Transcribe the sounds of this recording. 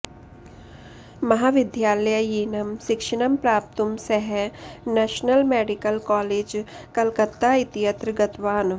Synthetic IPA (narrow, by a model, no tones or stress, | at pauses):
mɐɦaːʋɪd̪jaːlɐjəjiːnɐmʃɪkʃəɽ̃ɐmpɾaːp̚t̪ʊmsɐɦɛnɛːʃnəlmeːɖɪkəlkɔːleːd͡ʒ | kɐlkət̪ːaɪt̪ijɐt̪ɾɡɐt̪ʋaːn